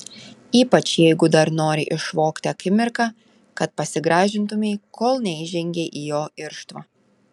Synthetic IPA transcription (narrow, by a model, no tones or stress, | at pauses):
iːpɐt͡ʃjɛɪɡʊd̪ɐɾnoːɾʲɪʔɪʃʋoːkt̪ʲɪɐkʲɪmʲɪɾkɑ | kɐt̪̚pɐsʲɪɡɾɑːʒʲɪnt̪ʊmʲɛɪkʰoːlˠnʲɛɪʒʲɛŋʲɡʲeʔijoːɪɾʃt̪ʋɐː